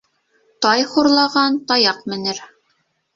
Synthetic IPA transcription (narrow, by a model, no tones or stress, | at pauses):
t̪ɑjχuɾlˠɑʁɑnt̪ɑjɑqmɘ̆nɘɾ